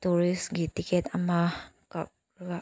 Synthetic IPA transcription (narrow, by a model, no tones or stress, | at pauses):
t̪uɾisɡit̪ikɛt̪amah | kak̚ | a